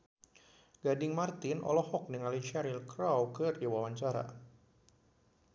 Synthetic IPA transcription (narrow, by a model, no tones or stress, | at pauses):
ɡadɪŋmart̪ɪnʔɔ̰lɔhɔk̚niŋalit͡ʃaɾilkɾawkɨrdiwawaɲt͡ʃaɾa̰